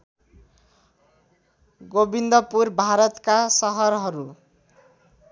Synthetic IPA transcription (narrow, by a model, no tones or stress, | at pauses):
ɡobind̪ʌpurbʱaɾʌt̪kasʌɦʌɾɦʌɾu